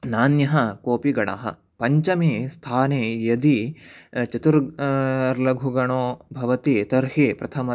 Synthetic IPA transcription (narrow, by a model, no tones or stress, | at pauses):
naːnjɐɦɐkoːpiɡɐɽa̰ːɦɐ̰ | pɐɲt͡ʃɐmist̪ʰaːneːjɐd̪i | t͡ʃɐt̪uɾɐɾlɐɡʱuɡɐɳoːbʱɐʋɐt̪it̪ɐɾɦipɾɐt̪ʰɐmɐ